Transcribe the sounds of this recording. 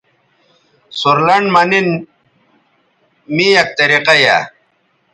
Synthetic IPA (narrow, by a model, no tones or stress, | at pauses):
suɾlɐɳɖmɐnin | mijɐk̚t̪ɐɾiqɐja̰